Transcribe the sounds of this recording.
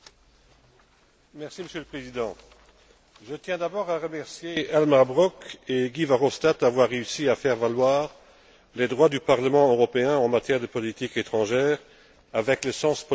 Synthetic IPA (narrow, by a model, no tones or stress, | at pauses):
mɛʁsiməsjøləpχezid̪ɑ̃ | ʒət̪jɛ̃d̪abɔːʁaʁəmɛʁsjealmaʁbʁɔkeɡivaʁɔst̪at̪avwaʁːeysiafɛʁvalwaːʁ | led̪ʁwad̪ypaʁləmɑ̃øʁɔpeɛ̃ɑ̃mat̪jɛʁd̪əpɔlit̪iket̪χɑ̃ʒɛːʁ | avɛkləsɑ̃spɔ